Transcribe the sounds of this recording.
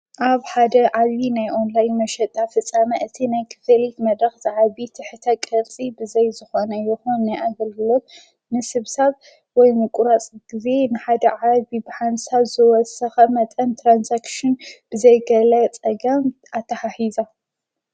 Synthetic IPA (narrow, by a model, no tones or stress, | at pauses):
ʔaβħad̪ɐʕaβinajʔonlajnmɐʃɐt̪ʼafɨt͡sʼːamɐʔɨt̪ʰinajkʰɨ̥fɐlit̪mɐd̪ɾɐxzɨʕaβit̪ʰɨħɨt̪ʰɐkʼɐlt͡sʼibɨzɐjzɨxonɐjɛxonːajʔaɡɐlɡɨlom | nɨsɨβsaβ | wɔjnɨkʼuɾat͡sʼɡize̞nɨħad̪ɐʕaβibɨħansaβzɨwɔsɐxɐmɐt̪ʼɐnt̪ʰɾansakʃɨnb̥ɨzɐjɡɐlɐt͡sʼɐɡɐmʔat̪ʰːɐħaħiza